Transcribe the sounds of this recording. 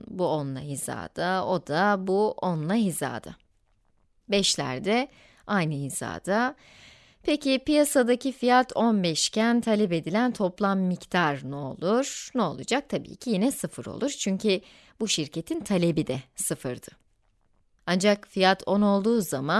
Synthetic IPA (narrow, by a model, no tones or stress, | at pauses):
buonlˠaɦiza̰ːd̪̥ao̞d̪abuonlˠaɦiza̰ːd̪a | bɛʃlʲæ̰ɾd̪ɛ | ajnɯiz̥a̰ːd̪a | pʰecɪpijasad̪acʰifijat̪ʰo̞nbɛʃcʰænt̪ʰalʲɛpe̞d̪ilʲænt̪ʰo̞plˠamːict̪ʰaɾnuo̰lˠuɾ̥nɛo̞̰lˠud͡ʒak̚t̪ʰabḭːcʰijinɛsɯfɯɾo̰lˠuɾt͡ʃʰyɲcʰi | buʃiɾcʰe̞t̪ʰint̪ʰalʲe̞bid̪ɛsɯfɯɾd̪̥ɯ | and͡ʒakfijat̪ʰo̞no̞lˠd̪uːzaman